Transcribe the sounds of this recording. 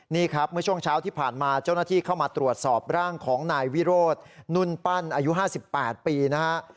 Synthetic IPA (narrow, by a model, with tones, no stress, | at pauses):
niː˥˩kʰɾa˦˥p̚mɯ˥˩ɐt͡ɕʰu˥˩əŋt͡ɕʰaː˦˥wt̪ʰiː˥˩pʰaː˨˩nmaː˧t͡ɕa˥˩wnaː˥t̪ʰiː˥˩kʰa˥˩wmaː˧t̪ɾu˨˩ət̪̚sɔː˨˩p̚ɾaː˥˩ŋkʰɔː˩˦ŋnaː˧jwi˦˥ɾoː˥˩t̪̚nu˥˩npa˥˩nʔaː˧ju˦˥ɦaː˥˩si˨˩pːɛː˨˩t̪̚piː˧na˦˥kʰa˦˥ʔ